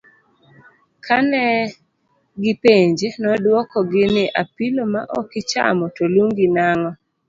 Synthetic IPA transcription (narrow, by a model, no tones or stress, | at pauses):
kʰanɛ | ɡɪpeɲd͡ʒenɔdwɔkɔɡɪnɪʔapilomaʔɔkɪt͡ʃa̰mɔtoluŋɡɪnaŋɔ